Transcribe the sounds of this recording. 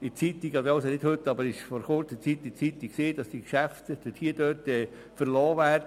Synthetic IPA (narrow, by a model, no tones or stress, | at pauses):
it͡sit̪iɡɑd̪ɑʊsənɪdhɵt̪ːɑbəɾɪʃfɔɾχʊɾt͡sət͡sit̪ːit͡sit̪ːikseːd̥ɑsd̥ikʃæft̪d̥ɪthiəd̥̪øːtɛː | fəɾlɔːʋæːɾə